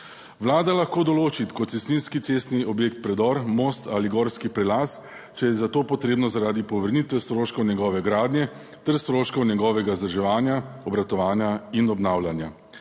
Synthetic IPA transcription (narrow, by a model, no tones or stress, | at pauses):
ʋlaːd̪alaxkoːd̪ɔloːt͡ʃit̪kɔt̪sɛst̪ninskit̪seːst̪niʔɔbjeːkt̪̚pɾɛd̪ɔɾmoːst̪aliɡɔːɾskipɾɛlas | t͡ʃɛjɛzat̪oːpɔt̪ɾeːbnɔzaɾaːd̪ipɔʋəɾnit̪ʋɛst̪ɾoːʃkɔwnjɛɡɔːʋɛɡɾaːd̪njɛ | t̪ɛɾst̪ɾoːʃkɔwnʲɛɡɔːʋɛɡazd̪aɾʒɛʋaːnjaɔbɾat̪ɔʋaːnjainɔbnawlanja